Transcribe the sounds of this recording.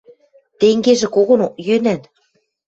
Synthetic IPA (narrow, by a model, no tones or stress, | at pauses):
t̪eŋɡeʒĕkoɣŏnojønæn